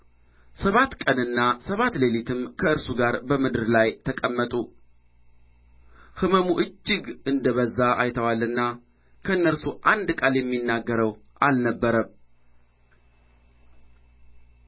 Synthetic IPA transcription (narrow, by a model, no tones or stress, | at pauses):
səβat̪kʼənɨnːasəβat̪lelit̪ʰɨmkʰəɨɾsuɡaɾbəmɨd̪ɨɾlajt̪ʰəkʼəmːət̪ʼu | hɨməmuʔɨd͡ʒːɪɡɨnd̪əβəzːaʔajt̪ʰəwalːɨnːa | kʰəɨnːəɾsuʔand̪kʼaljɛmːinːaɡːəɾəw | ʔalnəbːəɾəm